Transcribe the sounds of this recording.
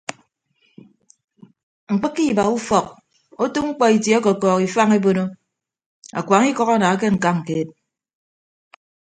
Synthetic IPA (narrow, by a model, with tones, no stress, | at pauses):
ŋ̩˨k͡pɨ˦kːi˦˨ba˨u˦fɔ˨k̚ | o˦tu˦ŋ͡m̩˦k͡pɔ˨i˨tje˨˦ɔ˦kɔ˨kɔː˨ki˨fa˦ŋe˦bo˦no˦ | a̰˨kʷa˨˦ŋi˦kɔ˦ka˦˨naː˨a˦k̬e˦ŋ̩˨ka˦ŋ̩˨keː˦t̚